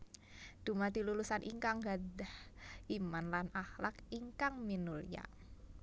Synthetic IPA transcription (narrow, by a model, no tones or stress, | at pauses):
d̪̥umat̪ilulusanʔḭŋkaŋɡadahimanlanahlakiŋkaŋminulja̰